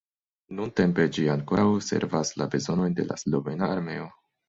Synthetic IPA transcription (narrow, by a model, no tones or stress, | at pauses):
nunte̞mpe̞d͡ʒiaŋkoɾawse̞̰ɾvasla̰be̞zo̞no̞jnde̞̰lʔa̰slo̞ve̞naːɾme̞o̞